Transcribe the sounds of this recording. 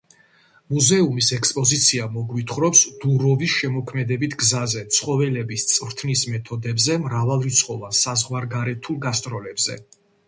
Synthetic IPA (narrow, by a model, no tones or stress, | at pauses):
muzɛumisɛkspʼɔzit̪sʰiamɔɡwit̪ʰχɾɔpsd̪̥uɾɔvisʃɛmɔkʰmɛd̪ɛbit̪ʰɡzazɛt̪sʰχɔvɛlɛbist̪sʼvɾt̪ʰnismɛt̪ʰɔd̪ɛbzɛmɾavalˠɾit̪sʰχɔvansazʁwaɾɡaɾɛt̪ʰulˠɡast̪ʼɾɔlɛbzɛ̰